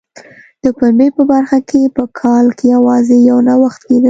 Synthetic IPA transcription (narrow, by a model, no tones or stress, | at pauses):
d̪̥əkambepəbaɾxakʰepəkʰɑlkejawɑzejawnawaxt̪ked̪ə